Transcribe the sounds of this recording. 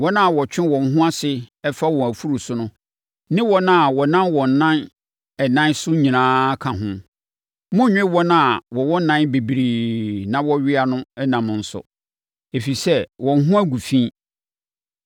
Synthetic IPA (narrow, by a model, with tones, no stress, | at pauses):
wɔ˦nã˦a˨wɔ˨t͡ɕᶣɪ̃˦wɔ̃˨n˨˦ɦʊ̃˦a˦sɪ˨ɛ˦fa˦wɔ̃˨æ˨fu˦ɾu˨sʊ˦nʊ̃˦ | nɪ̃˦wɔ˦nã˦a˨wɔ˨nã˦nwɔ̃˨n˨nã˦n | ɛ˨nã˦nsʊ˦ɲĩ˨nãː˦kʰã˨ɦʊ̃˦ | mʊ̃˦ɲᶣɪ̃˦wɔ˦nã˦a˨wɔ˨wɔ˦nã˦nbe˨bɾiː˨nã˨wɔ˦ɥɪ˦a˨nʊ̃˦ɛ˦nã˨m̃˨n̩˨˦sʊ̰˨ | e˨fi˨sɛ˦wɔ̃˨n˦ɦʊ̃˦æ˦ɡu˨fĩ˦